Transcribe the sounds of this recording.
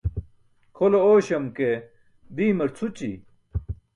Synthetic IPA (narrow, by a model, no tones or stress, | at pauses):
kʰolooːɕɐmke | d̪iːmɐɾt͡sʰut͡ɕḭ